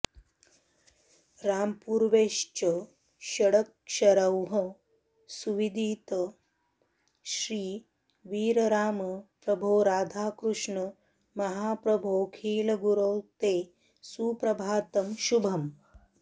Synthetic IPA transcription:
ɾaːmpuːɾʋeːʃt͡ʃɐ | ʃɐɽɐkʃɐɾɐwɦɐ | suʋid̪iːt̪ɐ | ʃɾiː | ʋiːɾɐɾaːmɐpɾɐbʱoːɾaːd̪ʱaːkɾuʂɳɐ | mɐɦaːpɾɐbʱoːkʰiːlɐɡuɾɐwt̪eː | suːpɾɐbʱaːt̪ɐmʃubʱɐm

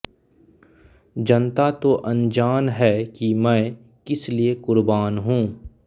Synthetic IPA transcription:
d͡ʒɐnt̪at̪oʔɐ̃nd͡ʒaːnɦɛːkimɛ̃ː | kɪsliekʊɾbaːnɦũː

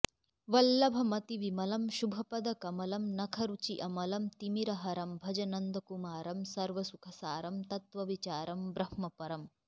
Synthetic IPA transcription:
ʋɐlːɐbʱɐmɐt̪iʋimɐlɐmʃubʱɐpɐd̪ɐkɐmɐlɐmnɐkʰɐɾut͡ʃiʔɐmɐlɐmt̪imiɾɐɦɐɾɐmbʱɐd͡ʒɐnɐnd̪ʱɐkumaːɾɐmsɐɾʋɐsukʰɐsaːɾɐmt̪ɐt̪ʋɐʋit͡ʃaːɾɐmbɾɐhmɐpɐɾɐm

